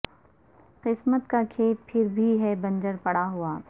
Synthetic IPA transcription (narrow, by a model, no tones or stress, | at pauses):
qɪsmət̪kakʰeːt̪̚pʰɪɾbʱiɦɛbɐ̃nd͡ʒəɾpɐɽaɦuaː